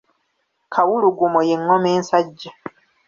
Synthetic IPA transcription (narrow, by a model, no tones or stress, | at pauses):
kʰawuluɡumojeŋːo̞me̞ːnsaɟːa